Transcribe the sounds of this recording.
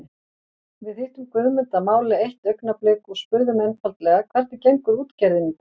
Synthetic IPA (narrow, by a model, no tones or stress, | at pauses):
vɪðejht̪ʏmkvʏːðmʏnt̪amaːwlɪejht̪œɥknaplɪːkɔɣspʏɾðʏmɛnfalt̪lɛːɣakʰv̥ɛr̥t̪ɪcejŋkʏɾuːt̪caɾðɪn